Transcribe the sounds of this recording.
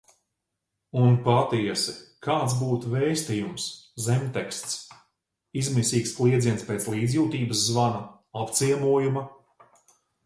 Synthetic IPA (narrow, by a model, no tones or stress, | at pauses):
unpat̪iɛsɛkʰaːt̪sbuːt̪vɛːjst̪ijumszɛmʲt̪ɛkst̪s | izmisiːksplˠiɛd̪ziɛnspʲeːt̪slˠiːd̪zʲjuːt̪iːbəszːvanɐ | apt̪siɛmuɔjumɐ